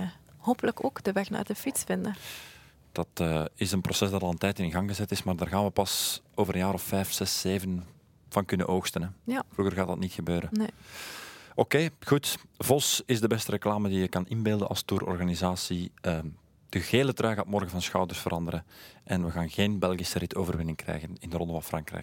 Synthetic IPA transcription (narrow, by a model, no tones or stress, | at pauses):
hoːpələkokdəʋɛxna̰ːrdəfitsfɪndə | d̥ɑtəɪsənprosɛsdɑtɑlˠəntɛjtɪnɣɑŋɣəzɛtɪsmaːrdaːrɣaːnʋəpɑsoːvəɾənjaːɾɔfːɛːfsɛsːeːvən | v̥ɑnkʏnə̰ʔoːxstənɛvruːɣərɣaːtdɑtnitxəbøːɾəne | ʔokeːxutvɔsɪzdəbɛstərɛklaːmədijəkɑnɪnbeːlˠdənʔɑ̰lˠstuːɾɔ̰rɣanizaːsiə | d̥əɣeːlətrœːɣaːtmɔrɣəvɑnsxɑwdərsfəɾʔɑndəɾəʔɛnʋəɣaːnɣeːnbɛlˠɣisəɾɪtʰoːvərʋɪnɪŋkrɛ̰jɣənɪndərɔndəvɑnfrɑŋkrɛ̰j̚